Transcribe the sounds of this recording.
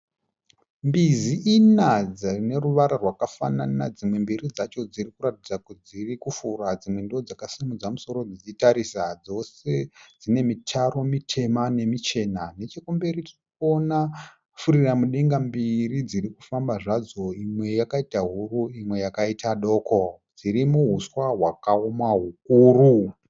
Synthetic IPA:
mbiziʔinad͡zarine̞ɾuʋaɾarwakafa̰nanad͡zimwe̞mbirid͡zat͡ʃo̞d͡zirikuɾatid͡zakud͡zirikufurad͡zimwe̞ndiod͡zakasimud͡zamuso̞ɾo̞d͡zit͡ʃitaɾisad͡zo̞se̞d͡zine̞mitʰaɾo̞mitʰe̞mane̞mit͡ʃe̞nane̞t͡ʃekumbe̞ritiriko̞na | fuɾiramuɗe̞ŋɡambirid͡ziɾiku̥fambaʐad͡zo̞imwe̞jakaitaɦuɾuimwe̞jakaitʰaɗo̞ːko̞d͡ziɾimuɦuswaɦwakaomaɦuk̚uːru

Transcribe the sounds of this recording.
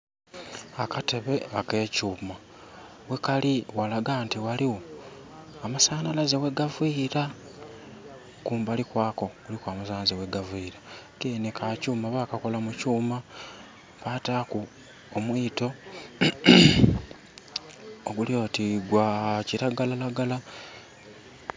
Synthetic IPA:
akate̞βe̞ake̞ːcuːma | wekaliwalaɡaːntiwaliwo | amasaːnalazeweɡaviɾa | kuːmbalikwaːko̞ɡulikwaːmasaːnazewe̞ɡaviɾatenekʰacuːmaβakako̞lamucuːma | pataku | omwiːto̞ | oɡulio̞tiɡwaciɾaɡalalaɡala

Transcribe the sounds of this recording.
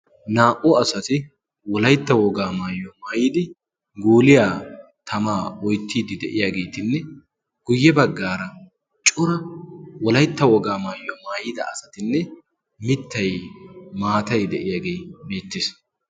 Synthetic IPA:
naːʔʊɐsɐt̪ɪ | wɔlɐjt̪ːɐwɔɡaːmaːjɔmaːjɪːd̪ɪ | ɡuːlɪjaː | t̪ʰɐmaːɔjt̪ːiːd̪ɪd̪ɛʔɪjaːɡe̞ːt̪ɪnːɛ | ɡ̥ʊjːɛbɐɡːaːɾɐ | t͡ʃʼʊɾɐwɔlɐjt̪ːɐwɔɡaːmaːjːɔmaːjɪd̪ɐ̰ɐsɐt̪ɪnːɛ | mɪt̪ːɐjmaːt̪ɐjd̪ɛʔɪjaːɡe̞jbeːt̪ːɪs

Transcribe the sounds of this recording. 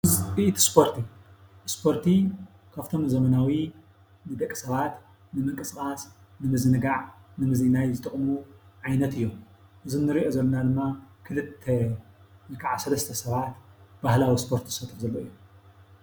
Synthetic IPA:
ɨziʔt̪ʰspʰo̞ɾt̪ʰiʔɨspʰo̞ɾt̪ʰi | kʰaft̪ʰo̞mzɐmɐnawi | nɨd̪ɐkʼːi̥sɐβat̪ | nɨmɨkʼɨskʼasnɨmɨzɨnɨɡaʕnɨmɨzinajzɨt̪ʼɨχʼmuʕajnɐt̪ʰɨjːomʔɨzɨnːɨɾiʔo̞zɐlːɐnad̪ɨmːakʰɨlɨt̪ʰːe | nɨkʰaʕasɐlɐst̪ʰɐsɐβat̪b̥ahlawispʰo̞ɾt̪ʰizsɐt̪ʰʼɨfzɐlːoʔɨjːom

